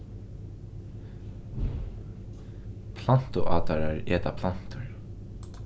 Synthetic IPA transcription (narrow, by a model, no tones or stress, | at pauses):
pʰlan̥t̪ʊʔaːt̪aɾaɹeːt̪apʰl̥an̥t̪ʊɹ